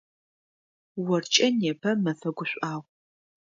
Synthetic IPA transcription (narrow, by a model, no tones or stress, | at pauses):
wɔrt͡ʃʼɐnjɛpʰɐmɐfɐɡʷʊɕʷʼaːʁʷ